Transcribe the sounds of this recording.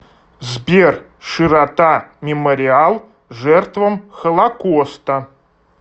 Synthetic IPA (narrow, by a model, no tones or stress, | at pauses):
zbʲerʂɨɾɐt̪amʲɪməɾʲɪalˠ | ʐɛrt̪vəmxəlˠɐkost̪ə